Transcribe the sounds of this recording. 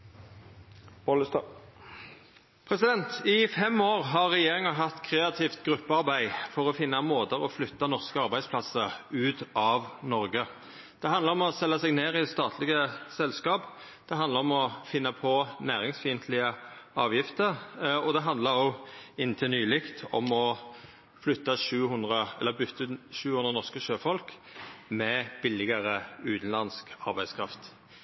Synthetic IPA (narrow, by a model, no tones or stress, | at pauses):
boləst̪ɑ | pʰɾɛsɪd̪ɛnt̪ɪfɛmːoːʁɦɑʁɛjeːɾɪŋɑɦɑt̪ːkʰɾeːɑt̪ʰiːft̪ɡɾʉpːəɑɾbæɪfɔʁɔfɪnːɑmoːd̪əʁɔflʏt̪ːɑnɔʁskəɑʁbæɪd̪spʰlɑsəɾʉːt̪ɑʋnɔɾɡə | d̪̥ɛɑnd̪əɾɔmɔsɛlːɑsɛɡneːʁɪst̪ɑːt̪ʰlɪɡəsɛlskɑːp | d̪̥ɛɦɑnd̪əɾɔmɔfɪnːɑpʰɔnæːʁɪŋsfiːənt̪ʰlɪəɑːʋjɪft̪əɾɔd̪ɛɦɑnd̪ləɾɔɪnt̪ʰɪnyːlɪkt̪ʰɔ̰mɔ | flʏt̪ːɑʂʉːhʉnd̪ʁəɛlːəbʏt̪ʰːʉːʃʉːhʉnd̪ʁənɔskəʃøːfɔlkmɛb̥ɪlɪɡəʁəʉːt̪n̩lɑnskɑɾbæɪskʰɾɑft̪